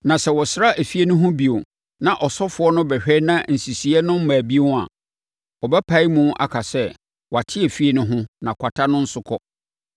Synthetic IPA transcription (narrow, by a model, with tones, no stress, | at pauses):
nã˨sɛ˨wɔ˨sɪɾa˦ʔæ˨fi˦e˦nʊ̃˦ɦʊ̃˦bi˨o˨ | nã˨ʔɔ˨sɔ˦fʊ˨˦ɔ˦nʊ̃˦bɛ˨hᶣɛ˦nã˦n̩˨si˨si˨ɛ˦nʊ̃˦m̩˦mãː˨bi˦o˦a̰˨ | wɔ˨bɛ˦pʰa˦i˦mũ˦ʔa̰˨kʰa˨sɛ˦ | wɔ˨a˨tʰɪ˦ɛ˨fi˦e˨nʊ̃˦ɦʊ̃˦nã˨kʰʷa˨tʰa˦nʊ̃˦n̩˦sʊ˦kʰɔ˦